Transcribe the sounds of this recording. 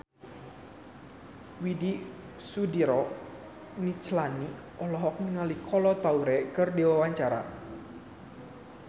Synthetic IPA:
widi | sudiɾɔ | nit͡ʃlani | ɔlɔɦɔk̚nəŋalikɔlɔt̪auɾɛkɨrdewawaɲt͡ʃaɾa̰

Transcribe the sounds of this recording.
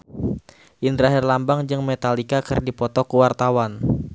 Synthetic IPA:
ʔind̪ɾaɦɛrlambaŋd͡ʒɨŋmet̪alikakɨrdipɔt̪ɔkuwart̪awan

